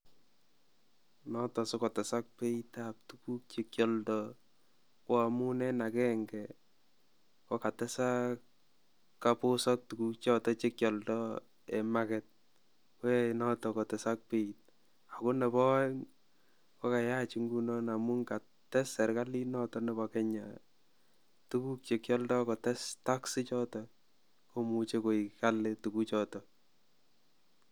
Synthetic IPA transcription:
nɔ˦tɔ˨sɔ˦kɔ˨tɛ˨sa˦k̚pe˦i˦tap̚tu˨ku˦k̚t͡ʃe˦kjɔ˨ldɔ | kwa˨mu˦nɛ˦na˨kɛ˦ŋɡɛ | kɔ˦ka˨tɛ˦sa˦k | kːapo˦sɔ˦k̚tu˨ku˦k̚t͡ʃɔ˦tɔ˦t͡ʃe˦kjɔ˨ldɔ | e˨ma˨kɛ˨t̚ | ke˦nɔtɔ˨kɔ˨tɛ˨sa˦k̚pe˦it̚ | a˨ko˦nɛ˨bɔ˦ŋ | kɔ˦ka˨ja˦t͡ʃi˦ŋɡunɔna˨mu˦ŋka˨ | tɛ˦sɛ˨ɾkalinɔ˦tɔnɛ˨bɔkɛ˦ɲa̰ | tu˦ku˦k̚t͡ʃekjɔ˦ldɔ˦kɔ˨tɛstaksɪ˦t͡ʃɔtɔ | komut͡ʃe˦ko˨ika˦lɪtukut͡ʃɔtɔ

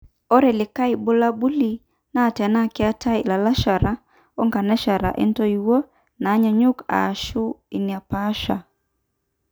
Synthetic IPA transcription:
ɔ˦ɾɛ˨lɪ˨ka˦i˨bo˦la˦bu˦li˨ | na˦˨tɛ˨na˦˨ki˦a˦tʰa˦i˨la˨la˦ʃa˨ɾa˦ | ɔ˦ŋɡa˨nɛ˦ʃa˨ɾa̰˨ʔɛ̰˦ntɔ˦iwo˦ | naː˨˦ɲa˨ɲu˦ka̰˨ʃu˦i˨ni˨a˨pa˦ʃa̰˨

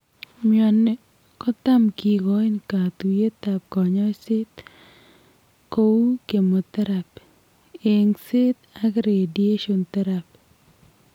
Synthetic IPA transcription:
mjɔ˨n | kɔ˦t̪a˦mki˨ɡɔ˨˦ɪ˦nka˨t̪u˨je˦t̪a˨p̚kɔ˨ɲɔ˦jsɪ˦t̪ | ko˦u˦ke˨mo˨t̪ɛ˦ɾa˨p | e˨ŋsɪ˦t̪̚a˦ɡɾe˨die˦ʃo˨nt̪ɛ˦ɾa˨p̚

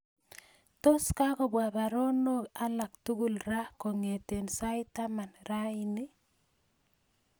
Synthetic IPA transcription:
to˦ska˦kɔ˨bwa˨ba˨ɾo˦no˦ka˦la˨k̚tu˦ɡu˨lɾa˦ko˨ŋe˨te˨nsa˦ɪ˦ta˦ma˨nɾa˦i˦ni˦

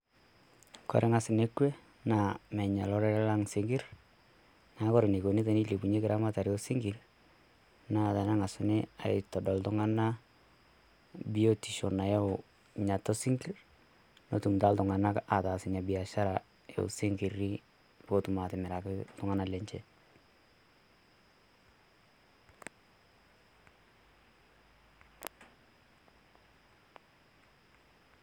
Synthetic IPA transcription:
kɔ̰˨ɾɛ˦ŋa˨sɪ˨ne˦kwe˦ | na˨mɛ˨ɲa˨lɔ˦ɾɛ˦la˦ŋsɪ˦ŋɡɪ˦r | na˨˦kɔ˦ɾe˨ne˨ko˨ni˦te˨ni˦le˨pu˨ɲe˦kɪ˦ɾʔa˦ma˦ta˨ɾjo˦sɪ˦ŋɡi˨r | na˨ta˨na˦ŋa˨sɪ˦nɪ˦a̰˨ɪ̰˨tɔ˨dɔ˨ltʊŋa˦na˦ | bi˦o˦ti˨ʃo˨na˨ja˦ | ɲa˨tɔ˦sɪ˦ŋɡi˦r | no̰˦tu˨mta˦ltʊ˨ŋa˨na˦kʔa˨taː˨sɪɲa˨bɪ˨a˨ʃa˦ɾa | jo̰˦ṵ˨sɪ˦ŋki˨ɾi˦ | po˦tʊ˨ma˨tɪ˨mɪ˨ɾa˨kɪltʊ˦ŋa˦nalɛ˦ɲt͡ʃɛ˦

